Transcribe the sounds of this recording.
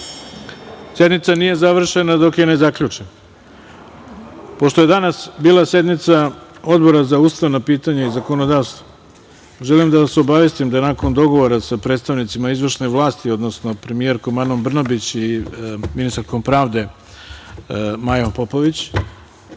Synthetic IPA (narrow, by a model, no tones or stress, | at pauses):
sje̞d̪nit̪sanije̞zaʋr̩ʃe̞nad̪o̞kje̞ne̞zakʎut͡ʃen | po̞ʃt̪oje̞d̪anasbiːlˠase̞d̪nit̪sao̞d̪bo̞ɾazaust̪aʋnapiːt̪aɲaizako̞nod̪aːʋst̪vo | ʒelimd̪aseo̞baʋje̞st̪imd̪anako̞nd̪o̞ɡo̞ʋo̞ɾasapɾe̞ːt̪st̪aʋnit̪simaizʋr̩ʃneʋlˠaːst̪io̞d̪no̞sno̞pɾe̞mije̞ɾkomanombr̩nobit͡ɕiminist̪aɾko̞mpɾaːʋd̪e̞ | majompo̞po̞ʋit͡ɕ